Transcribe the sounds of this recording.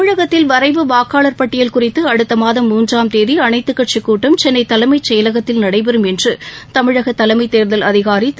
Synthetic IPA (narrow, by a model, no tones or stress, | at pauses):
mɪɻɐɣɐt̪ːɪlʋɐɾɐɪʋɯʋaːkaːɭɐɾpɐʈːɪjɐlkʊrɪt̪ːɯɐɽɯt̪ːɐmaːðɐmːuːndraːmt̪eːðiɐnɐɪt̪ːɯkːɐʈ̚t͡ʃikːuːʈːɐmt͡ʃɛnːɐɪt̪ːɐlɐɪmɐɪt͡ʃɛjɐlɐɣɐt̪ːɪlnɐɽɐɪpɛɾɯmɛndrɯt̪ɐmɪɻɐɣɐt̪ːɐlɐɪmɐɪt̪ːeːɾðɐlɐðɪɣaːɾi